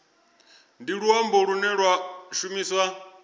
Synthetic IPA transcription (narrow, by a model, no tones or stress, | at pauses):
ndiɺuambɔɺunɛɺwaʃumiːswa